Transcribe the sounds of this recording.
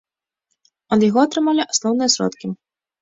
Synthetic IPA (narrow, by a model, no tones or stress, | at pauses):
ɐd̪jaɣɔɐt̪ɾɨmalʲiʔasnɔwnɨjɐsɾɔ̰t̪kʲi